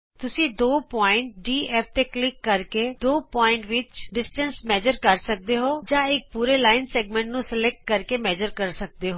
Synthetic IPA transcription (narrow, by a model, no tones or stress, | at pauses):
t̪ʊsĩːd̪oːpɔːɪ̃ɳʈ̚ɖiːɛːft̪eːklɪkːəɾkeːd̪oːpɔːɪɳʈʋɪt͡ʃɖɪsʈə̃nsmɛːd͡ʒəɾkəɾsək̚d̪eːɦoːd͡ʒãːɪk̚puːɾeːlaːɪnsɛːɡmɛ̃ːɳʈ̚nũːsəlɛːk̚ʈ̚kəɾkeːmɛːd͡ʒəɾkəɾsək̚d̪eːɦoː